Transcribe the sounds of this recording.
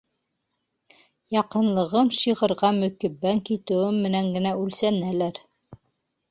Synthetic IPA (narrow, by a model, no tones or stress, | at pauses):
jɑqɤ̆nlˠɤ̆ʁɤmʃiʁɤ̆ɾʁɑmɵ̆kɘ̆bæŋkit̪ɘ̆wɘmːɘ̆næŋɡɘ̆næʉlsænælæɾ